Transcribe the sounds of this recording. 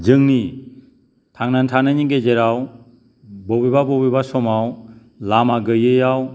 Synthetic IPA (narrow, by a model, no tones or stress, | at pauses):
d͡ʒɯŋni | tʰaŋnantʰananiɡed͡ʒeɾaw | bɔbibabɔbibasɔmaw | lamaɡɯjɯjaw